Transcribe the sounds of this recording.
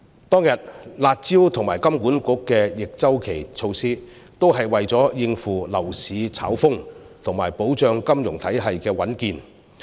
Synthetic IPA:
t̪ɔː˥ŋjɐ˨t̚laː˨t̚t͡siː˥wt̪ʰʊ˨˩ŋmaː˨˩jkɐ˥mkuː˨˥nkʊ˨˥kːɛː˧jɪ˨k̚t͡sɐ˥wkʰe˨˩jt͡sʰo˧wsiː˥ | t̪o˥wɦɐ˨jwɐ˨jt͡sɔː˨˥jɪ˧ŋfuː˨˩lɐ˨˩wsiː˨˧t͡sʰa̰ː˨˥wfʊ˥ŋ | t̪ʰʊ˨˩ŋmaː˨˩jpo˨˥wt͡ʃœː˨˧ŋkɐ˥mjʊ˨˩ŋt̪ʰɐ˨˥jɦɐ˨jkɛː˧wɐ˨˥nkiː˧n

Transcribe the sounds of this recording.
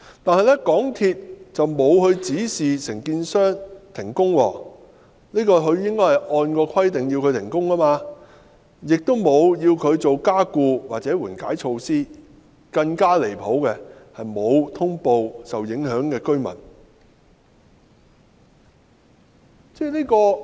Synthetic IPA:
t̪aː˨nhɐ˨jlɛ˥kɔː˨˥ŋt̪ʰiː˧t̚t͡sɐ˨wmo˨˧whɵ˨˧ɥt͡siː˨˥siː˨sɪ˨˩ŋkiː˧nsœː˥ŋt̪ʰɪ˨˩ŋkʊ˥ŋwɔ̰ː˧˩ | niː˥kɔː˧ɦɵ˨˧ɥjɪ˥ŋkɔː˥jhɐ˨jʔɔː˧nkɔː˧kʰɐ˥jt̪ɪ˨ŋji˧wkʰɵ˨˧t̪ʰɪ˨˩ŋkʊ˥ŋaː˥maː˧ | jɪ˨k̚t̪o˥wmo˨˧wjiː˧wkʰɵ˨˧ɥt͡so˨wkaː˥kuː˧waː˨t̚t͡sɛː˨˥wuː˨˩nkaː˨˥jt͡ʃʰo˧wsiː˥ | kɐ˧ŋkaː˥le˨˩jpʰo˨˥wkɛ˧hɐ˨jmo˨˧wt̪ʰʊ˥ŋpo˧wsɐ˨wjɪ˨˥ŋhœː˨˥ŋkɛː˧kɵ˥ɥmɐ̰˨˩n | t͡sɛː˥liː˥kɔː˧

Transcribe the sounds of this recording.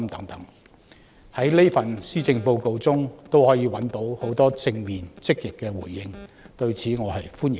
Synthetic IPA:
mt̪ɐ˨˥ŋt̪ɐ˨˥ŋ | hɐ˨˥jle˥fɐ˨nsiː˥t͡sɪ˧ŋpo˧wko˧wt͡sʊ˥ŋt̪o˥whɔː˨˥jiː˨˧wɐ˨˥nt̪o˨˥who˨˥wt̪ɔː˥t͡sɪ˧ŋmiː˨nt͡sɪ˥k̚jɪ˨kːɛː˧wṵː˨˩jːɪ˧ŋt̪ɵ˧ɥt͡sʰiː˨˥ŋɔː˨˧hɐ˨jfuː˥njɪ˨

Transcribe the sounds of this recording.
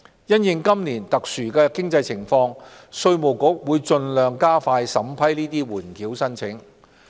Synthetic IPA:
jɐ˥njɪ˨˧ŋkɐ˥mnliː˨˩nt̪ɐ˨k̚syː˨˩kɛː˧kɪ˥ŋt͡sɐ˧jt͡sʰɪ˨˩ŋfɔː˧ŋ | sɵ˧ɥmo˨˩wkʊ˨˥k̚wuː˨˧jt͡ʃɵ˧nlœː˨˧ŋkaː˥faː˧jsɐ˨˥mpʰɐ˥jliː˥t̪iː˥wuː˨˩nkiː˨˥wsɐ˥nt͡sʰɪ˨˥ŋ

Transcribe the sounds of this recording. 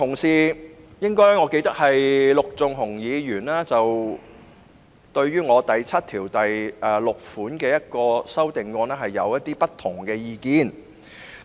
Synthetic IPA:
t̪ʰʊ˨˩ŋsiː˨jɪ˥ŋkɔː˥jŋɔː˨˧ke˧jt̪ɐ˥k̚hɐ˨jlʊ˨k̚t͡sʊ˨ŋɦʊ˨˩ŋjiː˨˧jyː˨˩nlaː˥t͡sɐ˨w | t̪ɵ˧ɥɥyː˥ŋɔː˨˧t̪ɐ˨jt͡sʰɐ˥t̚t̪ʰiː˨˩wt̪ɐ˨jʔɛː˧lʊ˨k̚fuː˨˥nkɛː˧jɐ˥t̚kɔː˧sɐ˥wt̪ɪ˨ŋkɔː˧nɛː˥ɦɐ˨jːɐ̰˨˧wjɐ˥t̪ːiː˥pɐ˥t̪ʰːʊ˨˩ŋkɛː˧jiː˨˧kiː˧n

